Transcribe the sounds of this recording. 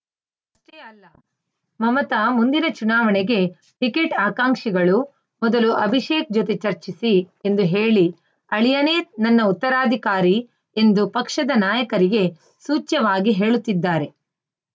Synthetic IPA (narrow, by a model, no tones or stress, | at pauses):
ɐʂʈeɐlːɐ | mɐmɐt̪amund̪inɐt͡ʃunaːʋɐɳeɡe̞ | ʈikeʈaːkaːŋʂiɡɐɭu | mɔd̪ɐluʔɐbʱiʃeːk̚d͡ʒot̪et͡ʃɐɾt͡ʃisie̞nd̪uɦe̞ːɭi | ɐɭijɐneːnɐnːɐut̪ːɐɾaːd̪ʱikaːɾi | end̪upɐkʂɐd̪ɐnaːjɐkɐɾiɡe̞ | suːt͡ʃːɐʋaːɡiɦe̞ːɭut̪ːid̪ːaːɾe̞